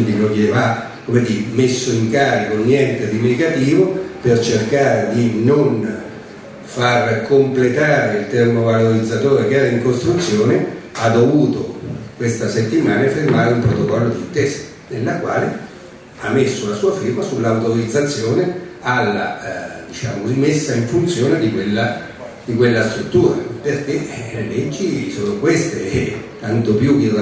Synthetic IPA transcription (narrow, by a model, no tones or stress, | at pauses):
nd̪ilokeva | komed̪iɾmesːoiŋkaːɾikonːjɛnt̪ed̪imeɡat̪iːvopert͡ʃerkaːɾed̪inon | farkomplet̪aːɾeilt̪ermovaloɾid̪zat̪oːɾekeɛːɾaiŋkost̪ɾut̪sːjoːnead̪ːovuːt̪okwest̪aset̪ːimaːnaafirmaːɾeumpɾot̪okɔlːod̪int̪ɛːsḁ | nelːakwa̰ːle | amːesːolasuːafivasulːawt̪oɾid̪zat̪sːjoːnealːa̰d̪it͡ʃa̰ːmosimesːaiɱfunt̪sjoːned̪ikwelːa | d̪ikwelːast̪ɾut̪ːuːɾa̰perk̟elet͡ʃːisoːnokwest̪et̪ant̪opjukir